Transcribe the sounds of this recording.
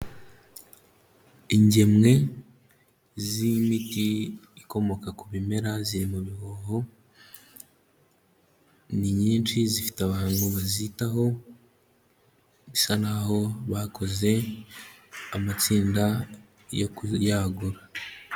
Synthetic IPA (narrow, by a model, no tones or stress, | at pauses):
iɲɟe̞mŋe̞ | zimitiiko̞mo̞kakuβime̞ɾaziɾimuβihoho̞ | niɲiːnt͡ʃizifi̥taβaːŋɡuβazitaɦo̞ | βisanaho̞βako̞ze̞ | amat͡siːnda | jo̰kujaɡuɾa